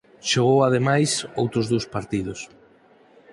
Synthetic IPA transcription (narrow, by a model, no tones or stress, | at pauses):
ʃoɣ̞owaðemajsowt̪ɾʊzðowspaɾt̪ið̞ʊs